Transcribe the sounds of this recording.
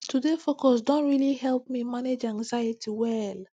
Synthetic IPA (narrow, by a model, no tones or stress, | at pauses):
tʰudefokɔsdõntɹilihɛlp̚mimaned͡ʒãŋzajitʰiwɛl